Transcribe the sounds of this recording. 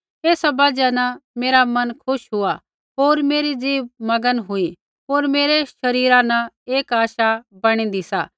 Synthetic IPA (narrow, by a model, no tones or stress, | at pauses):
eːsabɐd͡ʒanɐmeːɾamɐnkʰʊʃɦʊa | ɦoːɾmeːɾid͡ziːʋmɐɡənɦʊi | ɦoːɾmeːɾeʃɐɾiːɾanɐeːkaːʃabɐɽ̃ĩd̪isaː